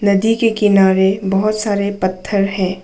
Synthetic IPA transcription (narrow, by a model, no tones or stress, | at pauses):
nɐd̪ikekɪnaːɾebɐɦʊt̪saːɾepɐt̪ʰːəɾɦɛ̃ː